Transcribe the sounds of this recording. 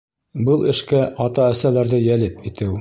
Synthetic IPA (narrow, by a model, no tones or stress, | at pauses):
bɤlˠɘ̆ʃkæʔɑt̪ɑæsælæɾðɘjælɘpit̪ɘw